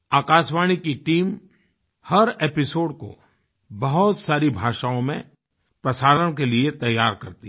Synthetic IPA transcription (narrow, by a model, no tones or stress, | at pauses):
aːkaːʃʋaːɽ̃ikiʈiːm | hɐɾeːpɪsoːɖko̰ | bɐɦʊt̪saːɾibʱaːʃaːõmẽ | pɾɐsaːləɽ̃keliet̪ɐjːaːɾkɐɾt̪i